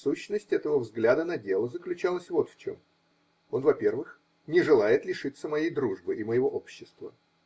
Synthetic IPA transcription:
suɕːnəsʲtʲɛt̪əvəvzɡlʲad̪ənɐdʲe̞lˠəzəklʲʉt͡ɕalˠəsʲvo̞t̪ft͡ɕo̰m | o̞nvɐpʲe̞rvɨx | nʲɪʐɨlˠajɪt̪lʲɪʂɨt̪səmɐjejd̪ɾuʐbɨʔɪməjɪvo̞ʔo̞pɕːɪst̪və̰

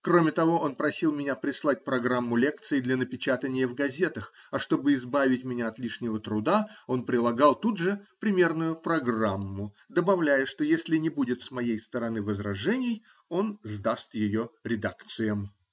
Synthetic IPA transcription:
kɾo̞mʲɪt̪ɐvo̞ʔo̞npɾɐsʲilˠmʲɪnʲapɾʲɪslˠat̚ʲpɾɐɡɾamːʊlʲekt̪sɨɪd̪lʲɐnəpʲɪt͡ɕat̪ənʲɪjəvɡɐzʲe̞t̪əx | ɐʂt̪o̞bɨɪzbavʲɪtʲmʲɪnʲaɐt̪lʲiʂnʲɪvət̪ɾʊd̪ao̞npɾʲɪlˠɐɡɑlˠt̪ud̪ʐɨpɾʲɪmʲe̞rnʊjʊpɾɐɡramːʊ | d̪əbɐvlʲæjəʂt̪ojesʲlʲɪnʲɪbudʲɪt̪smɐjejst̪əɾɐnɨvəzɾɐʐɛnʲɪj | o̞nzd̪ast̪jɪjo̞ɾʲɪd̪akt̪sɨjəm

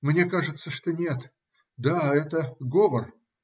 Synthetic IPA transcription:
mnʲe̞kaʐɨt̪səʂt̪o̞nʲe̞t̪ | d̪aɛt̪əɡovər

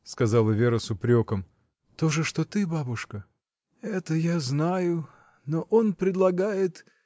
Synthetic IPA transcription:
skɐzɑlˠəvʲeɾəsʊpɾʲokəm | t̪o̞ʐɨʂt̪ot̪ɨbabʊʂkə | ɛt̪əjaznajʊ | noʔonpɾʲɪd̪lˠɐɡajɪt̪

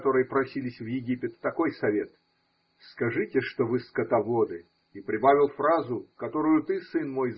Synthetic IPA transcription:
t̪o̞ɾɨjəpɾɐsʲilʲɪsʲvjɪɡʲipʲɪt̪ːɐko̞jsɐvʲe̞t̪ | skɐʐɨtʲɪʂt̪ovɨskɐt̪ɐvo̞d̪ɨ | ipɾʲɪbavʲɪlˠfɾazʊkɐt̪o̞ɾʊjʊt̪ɨsɨnmo̞jz

